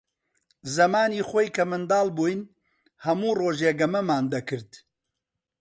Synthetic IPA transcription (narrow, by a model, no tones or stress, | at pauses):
zɐmaːniːxoːjkɐmɨnd̪aːlˠbuːjn | hɐmuːroːʒeːɡɐmɐmaːnd̪ɐkɨɾd̪̥